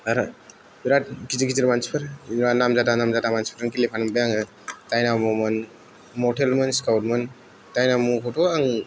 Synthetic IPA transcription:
aɾa | biɾat̚kiziɡiziɾmansi̥pʰaɾanamzatanamzatamansi̥pʰɾɯŋkilepʰanmbejaŋɯ | tajnamɔmɯn | mɔtʰelmɯnskawt̚mɯn | tajnamukʰɔtoaŋ

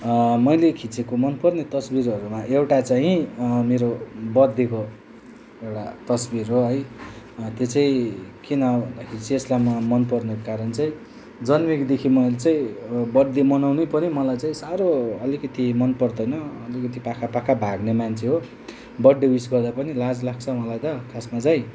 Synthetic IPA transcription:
mʌjlekʰit͡sekomʌnpʌrnet̪ʌsbiɾʌɾumaʔewʈat͡saĩmeɾobʌd̪ːeko | ewʈat̪ʌsbiɾɦoɦʌj | t̪jot͡saĩkinʌbʱʌnd̪akʰeit͡siːslamamʌnpʌrnʌkkaɾʌnt͡saĩ | d͡zʌnmikd̪ekʰimʌjlet͡saĩbʌd̪emʌnawnepʌnimʌlajt͡saĩsaɾoʌlikʌt̪imʌnpʌrd̪ʌjnʌːlikʌt̪̬ipakʰapakʰabʱaɡnemant͡sʰeɦo | bʌɖːewisɡʌrd̪apʌnilad͡zlaɡ̚t͡sʰʌmʌlajt̪ʌkʰasmat͡saĩ

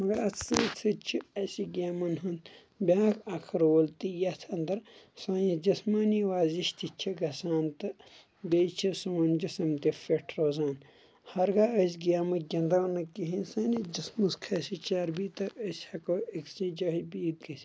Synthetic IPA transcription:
mɐɡɐɾɐsɐːt͡s̪ʰɨt͡ʃʰiɐsiɡʲaːmɐnɦɐnt̪ | bʲaːkʰɐkʰɐɾoːlt̪ijɐt̪ʰɐnd̪ɐɾsaːnid͡ʒɐsmaːniʋaːziʃt̪ʰit͡ʃʰiɡɐsaːnt̪ɨ | beːt͡ʃʰisuɐnd͡ʒisɐmt̪efeʈʰɾoːzaːn | hɐɾɡaːəs̬ʲɡaːmɐɡʲɐnd̪ɐnːɐkiɦinsɐnid͡ʒismuskʰɐsit͡ʃaːɾbit̪ɐɐsʲhɐkoːikst͡ʃĩd͡ʒɐːɦbiːd̪ɡɐsʲ

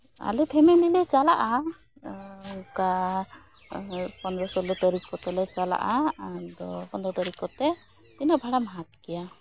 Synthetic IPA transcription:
a̰lɛpʰɛmɛnilɛt͡ʃalaʔa | ka | pɔnd̪ɾɔsɔlɔt̪əɾikɔt̪ɛlɛt͡ʃala̰ʔad̪ɔpɔnd̪ɾɔt̪ɔɾikɔt̪ɛ | t̪inɔbʱaɽamaɦat̪kɛja

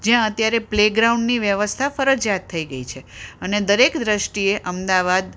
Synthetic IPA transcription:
d͡ʒjãət̪jaɾepleɡɾauɳɖniʋjəʋəst̪ʰafəɾəd͡ʒat̪ʰːəiɡəit͡ʃʰeəned̪əɾekd̪ɾəʃʈieʔəmd̪aʋad̪

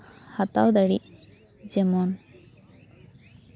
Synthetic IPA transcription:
hɐt̪awd̪ɐɽi | d͡ʒemoːn

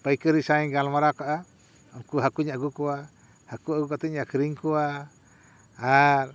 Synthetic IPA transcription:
pajkəɾisaɛɡalmaɾakaʔa | ɔnkuɦakuɲaʔɡukɔwa | hakuaɡukat̪ɛɲakɾiŋkɔwa | ɾ

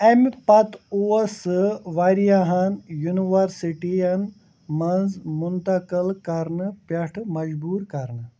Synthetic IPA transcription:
empɐt̪uɐsɨʋaɾijaɦɐnjuniʋɐɾsiʈiɐn | mɐnzmunt̪ɐkəlkɐɾnɨpɐʈʰmɐd͡ʒbuːɾkɐɾnɨ

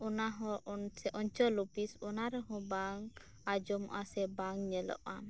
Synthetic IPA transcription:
ɔnaɦɔ̃sɛʔɔɲt͡ʃɔlupisɔnaɾɛɦɔ̃baŋ | ad͡ʒɔmɔ̰ʔasɛbaŋɲɛlɔ̰ʔam

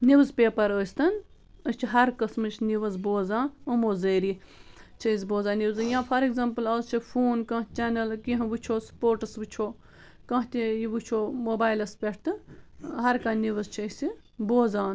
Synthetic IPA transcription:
niʋzpeːpɐɾəːst̪ɐn | əst͡ʃʰiɦɐɾkɐsmɨt͡ʃniʋɐzboːzãːnɐmoːzəːɾit͡ʃʰəjzboːzãːniʋzɨjãːfʰɐɾeɡzɐmpɨlɐzt͡ʃʰifʰoːnkɐ̃ːt͡ʃeːnɐlkiɦɐ̃ʋɨt͡ʃʰoːspoːɾʈɨsʋɨt͡ʃʰoː | kãːt̪ʲijiʋɨt͡ʃʰoːmoːbaːjlɐspʲeʈʰt̪ɨɦɐɾkaniʋɐzt͡ʃʰɐsi | boːzãːn

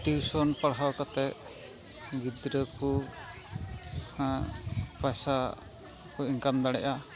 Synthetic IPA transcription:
ʈiwsɔnpaɽɦawkat̪ɛ | ɡid̪ɾəku | ãpasa | kɔiŋkamd̪aɽɛʔa

